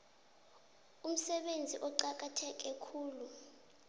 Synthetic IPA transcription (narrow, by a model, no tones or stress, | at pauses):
um̩sɛɓend͡zʱiʔɔǃak̬ʼatʰɛk̬ʼɛkʰuːlu